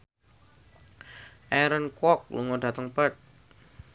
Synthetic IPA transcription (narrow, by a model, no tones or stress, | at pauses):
ʔɛɾənkwɔk̚lṵŋɔd̥a̤t̪əŋpət̪̚